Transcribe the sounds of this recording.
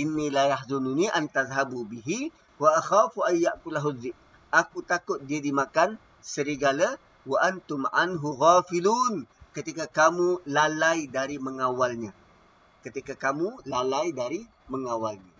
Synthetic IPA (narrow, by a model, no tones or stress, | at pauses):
ʔɪnːilajahzununiʔant̪azɦabubiɦi | waʔaxaːfuʔajːaʔkulaɦuðːɪk̚ | ʔakut̪akʊt̪̚diadimakan | səɾiɡala | waʔant̪ʊmʕa̰nɦuɣaːfiluːnkət̪ikakamulalajdaɾiməŋawalɲã | kət̪ikakamulalajdaɾi | məŋawalɲa